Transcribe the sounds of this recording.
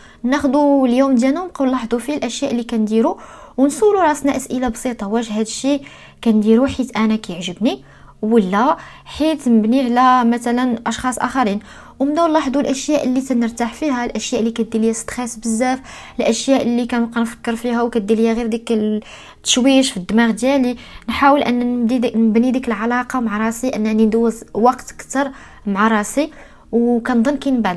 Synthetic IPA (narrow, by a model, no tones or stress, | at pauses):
næxd̪uljumd̪jænunqɑlːɑħd̪ˤufilʔæʃjæʔəlːikænd̪iɾuwnsˤuluɾˤɑsnæʔæsʔəlabsˤit̪ˤɑwæʒəhæd̪əʃːi | kænd̪iɾuħit̪ʔænækæjəʕʒəbni | wəlːæ | ħit̪nəbniʕlæmæt̪ælənʔɑʃxɑsˤʔæ̰xæɾin | wmənːæwlˤːɑħd̪ulʔæʃjæʔəlːit̪ænəɾt̪aħfihælʔæʃjæʔlːikæt̪̚d̪iljæst̪xæsbəzːæf | əlʔæʃjæʔəlːikænqɑnfə̥kːəɾfiɦæwkæt̪̚d̪iljæɣiɾd̪ikə | t̪ːə̥ʃwiʃfid̪ːmæɣd̪jælinħawəlʔænːd̪inəbnid̪ikəlʕalɑqɑmʕaɾˤɑsiʔənːænind̪wəzwɑqt̪kt̪ɑɾˤ | maʕaɾˤɑsi | wkænd̪ˤənːkinbaʕd̪